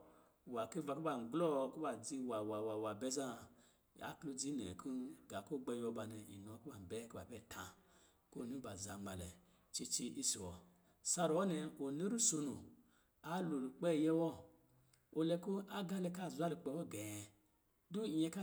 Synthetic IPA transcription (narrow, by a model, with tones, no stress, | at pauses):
wa˨ki˦va˧˨ku˦ba˨ŋ͡m̩˨ɡ͡blɔ˦˨˦ku˦ba˨d͡zi˧wa˨wa˨wa˨wa˨bɛ˦za˦˨ | a̰˨klu˧d͡zi˦nɛ̰˨ku˦ɡa˨ko˦˨ɡ͡bɛ˧˦jɔ˧ba˧nɛ˨ḭ˨no˨˦ku˦a˨bɛ˦ku˦ba̰˨bɛ˦˨tʰã˧ | ko˦˨nu˦ba˨za˨ma˨lɛ̰˨ | t͡ʃi˧t͡ʃi˧˦ʔi˦si˨wɔ˨ | sa˧ɾwɔ˦nɛ˧o˨ne˦ɾu˦so˧nu˨ | a˦lo˨lu˨k͡pɛ˦˨jɛ˦wɔ˦ | o˨lɛ˧ku˦a˦ɡa˧lɛ˧ka˦˨zʷa˦lu˧˨k͡pɛ˧˦wɔ˦˨ɡɛ˨ | du˦˨˦ɛ˧ka˦